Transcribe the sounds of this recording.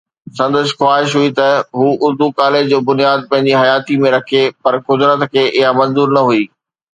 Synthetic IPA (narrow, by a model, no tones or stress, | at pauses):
sɐ̃nd̪əʃ̬xwaːɦɪʃ̬ɦuit̪ɐɦuːʔʊɾd̪ukaːled͡ʑd͡ʑoːbʊnijaːd̪̚pɐ̃ɦɪ̃ɲ̆d͡ʑiɦɐjaːt̪imẽɾɐkʰepɐɾkʊd̪ɾət̪kʰeːʔɪɦamɐ̃nzuːɾnɐɦuiː